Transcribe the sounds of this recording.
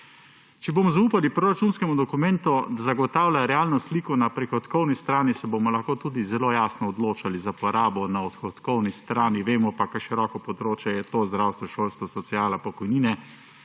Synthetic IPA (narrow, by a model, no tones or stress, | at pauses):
t͡ʃɛboːmɔzauːpalipɾoːɾat͡ʃuːnskɛmud̪ɔkumɛnt̪ud̪azaɡɔt̪aːwlʲjaɾɛaːlnɔsliːkɔnapɾɛxɔt̪kɔwnist̪ɾaːnisɛbomɔlaxkoːt̪uːd̪izɛloːjaːsnɔːd̪loːt͡ʃalizapɔɾaːbɔnaɔt̪xɔt̪kɔwnist̪ɾaːniʋeːmɔpakajʃiɾɔːkɔpɔd̪ɾoːt͡ʃjɛjɛt̪oːzd̪ɾawst̪ʋɔʃoːlst̪ʋɔsɔt̪siaːlapɔkɔjniːnɛ